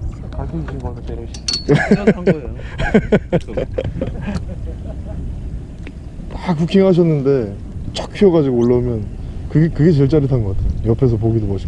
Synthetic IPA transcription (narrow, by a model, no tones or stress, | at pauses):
takukʰiŋɦaɕ̬ʰʌnːɯnde̞ | t͡ɕʰak̚pʰiʌɡad͡ʑiɡoːɭːaumjʌnkɯɡekɯɡe̞t͡ɕeɭt͡ɕ͈aɾitʰanɡʌk͈atʰejojʌpʰe̞s̬ʰʌp̬oɡidobʌɕʰi̥